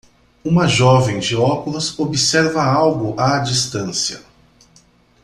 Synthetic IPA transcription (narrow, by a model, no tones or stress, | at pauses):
ũmɐʒɔvẽj̃d͡ʒiɔkulɐzobisɛɾvɐawɡʊʔad͡ʒist̪ɐ̃siɐ̰